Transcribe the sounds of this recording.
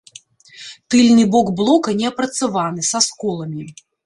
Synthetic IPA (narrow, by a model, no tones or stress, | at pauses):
t̪ɨlʲnɨbɔkblˠɔkɐnʲɛɐpɾɐt̪sɨvanɨsaskɔlˠɐmʲi